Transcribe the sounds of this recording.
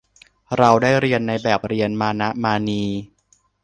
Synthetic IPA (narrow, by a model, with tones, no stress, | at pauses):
ɾa˧wdaː˥˩jɾi˧ənːa˧jbɛː˨˩p̚ɾi˧ənmaː˧na˦˥ʔmaː˧niː˧